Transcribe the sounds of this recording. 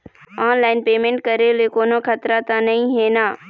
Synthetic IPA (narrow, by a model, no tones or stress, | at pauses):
aːnlaːɪnpeːmẽːɳʈ̚kɐɾelekoːnokʰət̪ɾat̪ãnɐĩɦeːnãː